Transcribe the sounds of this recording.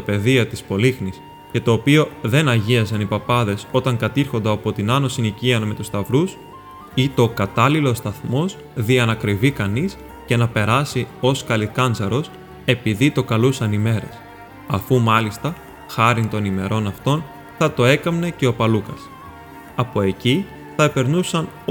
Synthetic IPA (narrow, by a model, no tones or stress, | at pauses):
t̪ɐpe̞ðiɐt̪ispo̞lixnis | ce̞t̪o̞ːpio̞ðe̞nɐʝiɐsɐnipɐpɐðe̞so̞t̪ɐŋkɐt̪iɾxo̞nd̪ɐːpo̞t̪inɐno̞siniciɐnɐme̞t̪ust̪ɐvɾus | it̪o̞kɐt̪ɐlilo̞st̪ɐθmo̞s | ðiɐnɐkɾivikɐnis | ce̞nɐpe̞ɾɐsio̞skɐlikɐnd͡zɐɾo̞s | e̞piðit̪o̞kɐlusɐnime̞ɾe̞̰s | ɐfumɐlist̪ɐ | xɐɾint̪o̞nime̞ɾo̞nɐft̪o̞n | θɐt̪o̞e̞kɐmne̞ce̞o̞pɐlukɐs | ɐpo̞e̞ci | θɐepe̞ɾnusɐn